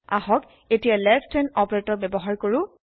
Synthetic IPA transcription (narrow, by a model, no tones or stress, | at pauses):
a̰ɦɔk | etijalɛftʰɛnɔpɔɹetɔbɛbɔɦaɹkoɹʊ